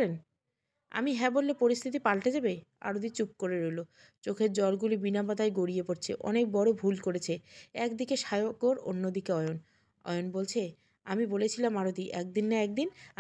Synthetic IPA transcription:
en | a̰miɦɛbolːepoɾist̪ʰit̪ipalʈed͡ʑabea̰ɾod̪it͡ɕup̚koɾeɾolo | t͡ɕokʰeɾd͡ʑɔlɡulibinabad̪ʱaeɡoɽijepoɾt͡ɕʰḛʔɔ̰nek̚bɔɽobʱulkoɾet͡ɕʰeɛkd̪ikeʃajooɾo̰nːod̪ikeɔjon | ɔ̰jonbolt͡ɕʰe | amibolet͡ɕʰilamaɾod̪iʔɛk̚d̪inːaɛk̚d̪in

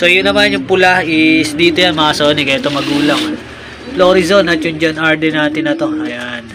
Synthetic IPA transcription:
so̞jʊnːɐmanjʊŋpʊlahʔɪsd̪iːt̪ojanmɐʔɐsoːnɪkɐɪt̪oŋmɐɡuːlɐŋ | floːɾizonɐt̪jʊŋd͡ʒonʔɐɹd̪ɛnaːt̪ɪnɐt̪o̞ɐjan

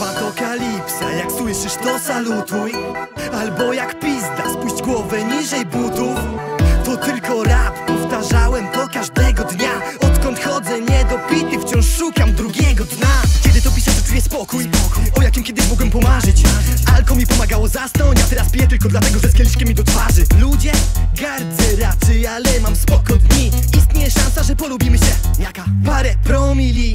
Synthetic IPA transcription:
papɔkalʲipsajakswɘʂɘʂt̪ɔsalut̪uj | albɔjakpʲizd̪aspuɕd͡ʑɡwɔvɛɲiʐɛjbut̪uft̪ɔt̪ɘlkɔɾappɔft̪aʐawɛmt̪ɔkaʐd̪ɛɡɔd̪ɲaɔt̪kɔnt̪xɔd̪zɛɲɛd̪ɔpʲit̪ɨft͡ɕɔ̃w̃ʂːukamd̪ɾuɡʲɛɡɔd̪ɲakʲɛd̪ɘt̪ɔpʲisɛʐɛt̪ubʲjɛspɔkujɔkujɔjakʲimkʲɛd̪ɘɕmɔɡwɛmpɔmaʐɘt͡ɕalkɔmʲipɔmaɡawɔzast̪ɔwt͡ɕat̪ɛɾaspʲijɛt̪ɘlkɔd̪lat̪ɛɡɔʐɛskʲɛlʲiʂkʲɛmʲid̪ɔt̪faʐɘlud͡ʑɛɡaɾzɛɾat͡ʂɛjalɛmamspɔkɔd̪ɲiist̪ɲɛjɛʂãnsaʐɛpɔlubʲimɘɕɛjakapaɾɛpɾɔmʲilʲi

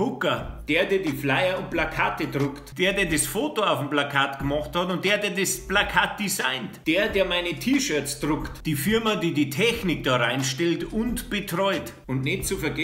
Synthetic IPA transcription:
hʊkɐd̥eːɐdiːɐdiːflaɪɐʊnt̚plakʰaːtədʁʊktd̥eːɐdeːɐdesfoːtoaʊfm̩plakʰaːtɡ̥əmɑχthɑtʊnt̚d̥eːɐdeːɐdesplakʰaːt̚d̥isaɪntd̥eːɐdeːɐmaɪnətʰiːʃœɐt͡sd̥ʁʊktd̥iːfɪɐmadiːdiːtʰɛçnɪk̚d̥ɑːʁaɪnʃtɛltʊntb̥ətʁɔʏt | ʊntneːt̚t͡sufɛɐɡɛ

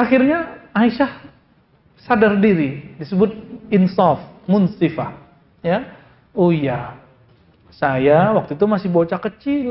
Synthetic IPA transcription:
axirɲaaiʃah | sadardiɾidisəbʊt̪̚ɪnsɔfmʊnsifa | ja | uja | sajawak̚t̪uit̪umasɪhbot͡ʃakət͡ʃil

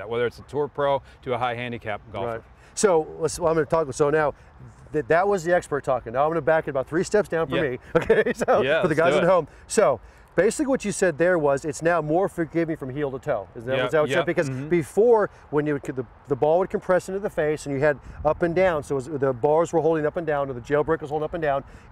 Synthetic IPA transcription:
wɛðə˞ɨtsətʰɔɹpʰɹ̥oʊ | ɾɨəɦaɪɦæ̃ndikʰæ̰p̚ɡ̥ɔ̰ɹaɪt | soʊəsãɪ̃mɡʌ̃nətʰɔk̚soʊnaʊ | ɨðɨt̚wʌzðiɛkspə˞tʰɔkɪ̃ŋnaʊaɪ̃mɡʌnəbækɨɾɨbaʊt̪θɹistɛpsd̥ãʊ̃nfə˞mioʊkʰeɪsoʊjfʌ˞ðɨɡaɪzɨt̚ɦõʊ̃m | soʊ | b̥eɪsɪ̥kliwʌt͡ʃɨsɛd̪̚ðə˞wʌzɨtsnaʊmɔɹfəɡɪvmifɹʌ̃mɦilˠtətʰoʊɪzn̩ɨwʌzaɛ̃bɨkʌzbɨfɔɹ | wə̃njɨd̚kʰðɨ | ðəbɔlˠwəd̚kʰɨ̃m̩pʰɹ̥ɛsɪ̃ntʉðɨfeɪsɨ̃n̩jɨɨɾʌpɨ̃ndãʊ̃nsoʊwʌzðɨbɑɹzwə˞ɦoʊlˠdɪ̃ŋʌpɨ̃ndãʊ̃nə̃n̩ðɨd͡ʒeɪlˠbɹeɪkwʌzoʊ̃ʌpn̩dãʊ̃n

